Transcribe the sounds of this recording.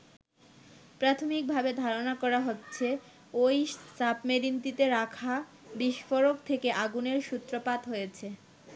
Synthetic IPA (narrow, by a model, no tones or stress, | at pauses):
pɾat̪ʰomik̚bʱabed̪ʱaɾonakɔɾaɦotːɕʰe | ojt͡ɕapmeɾint̪it̪eɾakʰa | biʃfoɾokt̪ʰekeʔaɡuneɾʃut̪ːɾopat̪ɦojet͡ɕʰe